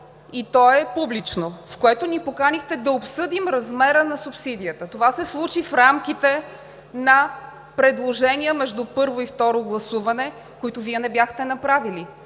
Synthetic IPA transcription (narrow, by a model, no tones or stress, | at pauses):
it̪ɔɛpublit͡ʃnofkoɛt̪onipokanixt̪ɛd̪ɐopsɤd̪imɾɐzmɛɾənɐsupsid̪ijət̪ət̪ovasɛslˠut͡ʃifɾamk̟it̪ɛ | nɐ | pɾɛd̪lˠoʒɛniəmɛʒd̪upɤɾvoift̪ɔɾoɡlˠɐsuvɐnɛ | koit̪oviɛnɛbjaxt̪ɛnɐpɾavili